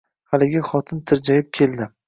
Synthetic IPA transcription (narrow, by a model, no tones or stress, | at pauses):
halɪɡʲɪχɒt̪ʰɪnt̪ʰɪɾd͡ʒajɪp̚kʲʰe̞ld̪ɪ